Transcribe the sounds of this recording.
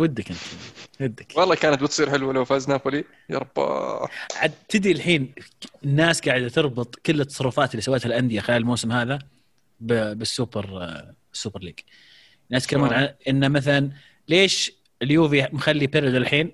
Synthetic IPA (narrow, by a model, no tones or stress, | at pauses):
wɪd̪ːakʔɪnt̪iwɪd̪ːakwɑlˤːɑːkaːnat̪̚bɪt̪sˤiːɾħɪlwalawfaːznapʊli | jɑ̰ɾˤɑbːɑ̰ʕad̪t̪ɪd̪ɾilħiːnɪnːaːsɡaːʕɪd̪t̪ɨɾˤbɨt̪ˤkɪlːɪt̪ːɑ̥sˤɑrˤːʊfaːt̪ɪlːiːsawːeːt̪halʔand̪ɪjaxɪlaːllmowːsɪmhaːða | bbɪsːuːbɑɾ | ɪsːuːbɑɾliːɡ | anːaskalːmuːnʕaʔɪnːamaθalan | leːʃ | ɪljuːvimxalːipɪɾɪd̪allħiːn